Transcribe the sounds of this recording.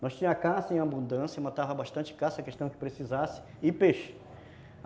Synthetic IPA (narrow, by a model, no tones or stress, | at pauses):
nɔst͡ʃĩɲɐ̃ɐkasɐẽabũnd̪ɐ̃sjɐmat̪avɐbaʃt̪ɐ̃t͡ʃɪ̥kasɐkeʃt̪ɐ̃w̃kɪ̥pɾesizasɪ̥ | ɪpeʃɪ̥